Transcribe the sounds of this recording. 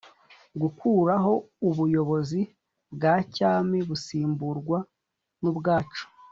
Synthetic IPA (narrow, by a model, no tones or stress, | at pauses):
ɡukʰuːɾaɦo̞ | uβujo̞βo̞zi | bɡacaːmiβusiːmbuɾɡwa | nubɡaːt͡ʃo̥